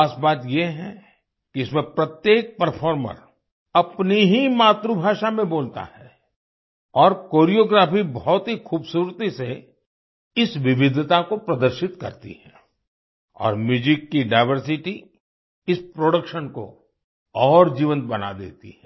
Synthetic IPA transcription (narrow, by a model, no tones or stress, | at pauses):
aːsbaːt̪jeɦɛ̃ | kiɪsmẽpɾɐt̪jeːk̚pɐɾfʰɔːɾmə̰ɾ | ɐpniɦimaːt̪ɾubʱaːʃamẽboːlt̪a̰hɛ | ɔːɾkoːɾijoːɡɾaːfibɔɦɔt̪ɦixʰuːbsuːɾt̪ise | ɪsʋɪʋɪd̪ʱt̪akopɾɐd̪əɾʃɪt̪kɐ̰ɾt̪ḭhɛ̰ː | ɔ̰ːɾmjuːd͡ʒɪkːiɖaːɪʋəɾsɪʈi | ɪspɾoːɽəkʃənko̰ | ɔːɾd͡ʒiːʋə̃nt̪̚bɐna̰d̪ḛːt̪ḭɦɛ